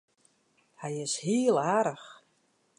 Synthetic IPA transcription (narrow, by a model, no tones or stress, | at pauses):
hɛjɪshiːəlˠaːɾəx